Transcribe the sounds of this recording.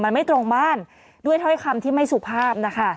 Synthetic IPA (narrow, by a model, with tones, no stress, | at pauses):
ma˧nma˥˩jt̪ɾo˧ŋbaː˥˩n | du˥˩əjt̪ʰɔ˥˩˥jkʰa˧mt̪ʰiː˥˩ma˥˩jsu˨˩pʰaː˥˩p̚na˦˥kʰa˥˩